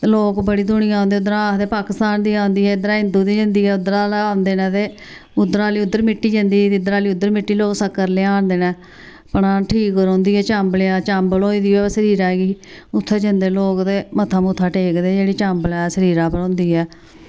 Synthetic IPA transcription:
loːkbəɽiːd̪ʊɳ̃ɪjãːʊ̃nd̪eːʊd̪əɾãːd̪eːpaːkɪst̪aːnd̪iːãːʊnd̪iːɦɛːɪd̪ɾaːɦɪ̃nd̪uːd̪iːd͡ʒə̃nd̪iːɛːʊd̪ːəɾaːlaːʊnd̪eːnɛ̃ːt̪eː | ʊd̪əɾaːliːʊd̪ːəɾmɪʈːiːd͡ʒənd̪iːt̪id̪əɾaːliːʊd̪ːəɾmɪʈːiːloːksəkːəɾleːaːnd̪eːnɛ̃ː | pəɽãːʈʰiːkoɾõːnd̪iːɛːt͡ʃamblejaːt͡ʃəmbəloːiːd̪iːɛːsəɾiːɾaːɡiːʊt̪ʰːeːd͡ʒə̃nd̪eːloːkd̪eːmət̪ʰːaːmuːt̪ʰːaːʈeːkd̪eːd͡ʒeːɽiːt͡ʃəmblaːsəɾiːɾaːpəɾõːnd̪iːɛː

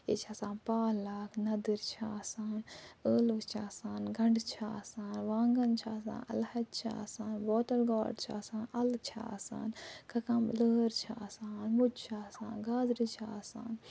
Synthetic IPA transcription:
ḛːt͡ʃʰaːsãːnpaːlaːknɐd̪iɾt͡ʃʰaːsaːnəːlukt͡ʃʰaːsaːnɡɐɳɖt͡ʃʰaːsaːnʋãːŋɡɐnt͡ʃʰaːs̬ã̰ːnɐ̰lhɐt̪̚t͡ʃʰa̰ːsaːnboːtɐlɡaːɖt͡ʃʰa̰ːsaːnɐlt͡ʃʰa̰ːsa̰ːnkɐkɐmləːɾt͡ʃʰaːsaːnmud͡ʒt͡ʃʰaːsa̰ːnɡaːd̪ɾit͡ʃʰaːsa̰ːn

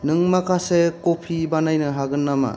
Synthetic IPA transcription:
nɯŋmakʰasekopʰibanajnɯɦaɡɯnːama̰

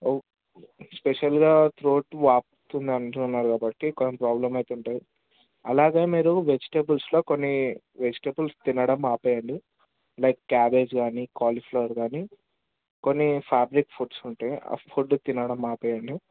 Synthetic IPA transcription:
o | speʃɐlɡaːt̪ɾoːʈʋaːp̚t̪und̪iɐnʈunnːaːɾukaːbɐʈːikonːɐpɾaːblɐmɐjt̪euɳʈaːji | ɐlaːɡe̞ːmiːɾuʋe̞d͡ʒi̥ʈebulslo̞ːkonːi | ʋed͡ʒi̥ʈebulst̪inɐɽɐmaːpoːjɐɳɖi | lɐjkːaːbe̞ːd͡ʒɡaːnikaːlipʰloːɾɡaːni | ko̞nːipʰaːbɾikpʰuʈsuɳʈaːj̰pʰuʈt̪inɐɽɐmaːpoːjɐɳɖi

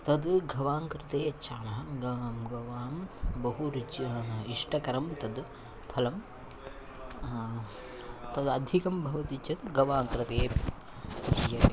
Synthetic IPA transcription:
t̪ɐd̪ɡʱɐʋaːŋkɾɪt̪eːɐːt͡ʃʰaːnɐɦɐɡɐmɡɐʋaːmbɐɦuɾid͡ʒɐnɐɦɐiʂʈɐkɐɾɐmt̪ɐd̪ | pʰɐlɐm | t̪ɐd̪ɐd̪ʱikɐmbʱɐʋɐt̪it͡ʃɐt̪ɡʱɐʋaːŋkɾɪt̪eː | d̪ʱijɐ

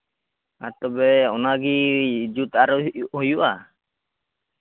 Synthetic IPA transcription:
at̪ɔbɛɔnaɡid͡ʒut̪aɾɔhɔjuʔa

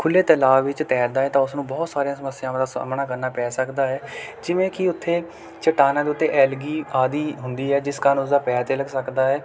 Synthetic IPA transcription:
kʰʊlːeːt̪əlaːʋɪt͡ʃt̪ɛːɾd̪aːɦɛːt̪ãːʊsnũːbɔːt̪saːɾijãːsəməsːɪjãːd̪aːsmɳaːk̬əɾnaːpɛːsəkd̪aːɦɛːd͡ʒɪʋẽːkɪʊt̪ʰːeː | t͡ʃəʈaːnãːd̪eːʊt̪ʰːeːʔɛːlɡiːaːd̪iːɦʊnd̪iːɦɛːd͡ʒɪskəɾnʊs̬d̪aːpɛːt̪eːləɡsəkd̪aːɦɛː

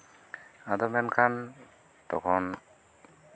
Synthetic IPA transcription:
adɔmɛnkʰan | tɔ̰kʰɔn

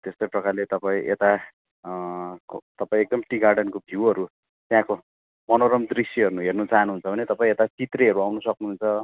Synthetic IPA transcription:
t̪est̪ojprʌkarlet̪ʌpãĩʔet̪a | kot̪ʌpãĩek̚d̪ʌmʈiɡarɖʌnkobʱiwʌɾu | t̪jãko | mʌnoɾʌmd̪risjʌɦʌɾunuɦernut͡saɦʌnuɦunt͡sʰʌbʱʌnet̪ʌpaĩet̪at͡sit̪reʌɾuawnʌsʌknuɦunt͡sʰʌ

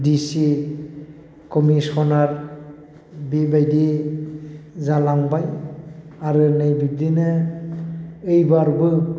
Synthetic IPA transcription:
disi | kɔmisɔnaɾ | bibajdi | zalaŋbaj | aɾɯnɯjbib̚dinɯ | ɯjbaɾbɯ

